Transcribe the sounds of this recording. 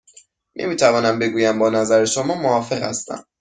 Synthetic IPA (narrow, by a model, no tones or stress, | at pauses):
nʔḛmiːt̪ʰævɒːnæmbe̞ɡuːjæmbɒːnæzæɾeʃomɒːmoɒːfe̞ɣhæ̰st̪æ̰m